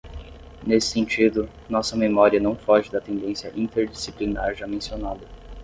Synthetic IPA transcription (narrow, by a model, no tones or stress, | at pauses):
nesɪ̥sẽnt͡ʃid̪ʊ | nɔsɐmemɔɾiɐnɐ̃w̃fɔʒɪd̪ɐt̪ẽnd̪ẽsjɐʔĩnt̪eɾd͡ʒisiplinaɾʒamẽsionad̪ɐ